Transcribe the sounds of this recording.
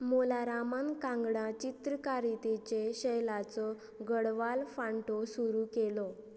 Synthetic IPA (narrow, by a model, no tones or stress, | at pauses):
molaɾamankãŋɡɽãt͡ɕit̪ɾəkaɾit̪et͡ɕeɕəjlat͡sɔ | ɡəɽʋalfaɳʈosuɾukelɔ